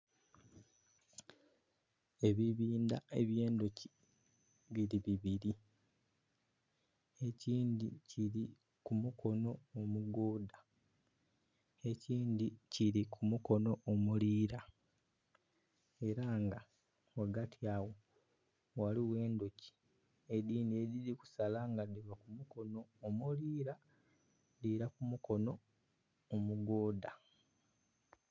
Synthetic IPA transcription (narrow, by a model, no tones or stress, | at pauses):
e̞βiβiːndae̞βje̞ːndoci̥ | βiɾiβiβiɾi | e̞ciːndiciɾi | kumukʰo̞no̞ːmuɡoːda | e̞ciːnd̪iciɾikʰumuko̞no̞omuliːɾa | e̞ɾaŋɡa | waɡatʰiaːwo̞ | waliwe̞ːndoci̥ | ediːniedidiku̥salaŋɡadiβakumuko̞no̞ːmuliːɾa | diɾakumuko̞no̞ː | muɡoːda